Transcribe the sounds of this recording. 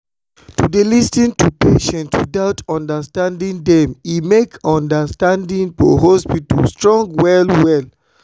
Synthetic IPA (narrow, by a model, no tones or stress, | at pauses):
tudelistĩntupeʃɛ̃nʰudaʊtɔ̃ndəstãndĩndɛ̃mimekɔ̃ndəstãndĩnfɔ̰ɦɔspitɔlstɹɔ̃ŋɡwɛlwɛl